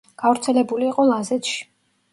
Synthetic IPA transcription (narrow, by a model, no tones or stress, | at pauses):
ɡ̥avɾt̪sʰɛlɛbuliːqʼɔlˠazɛt̪ʃi̥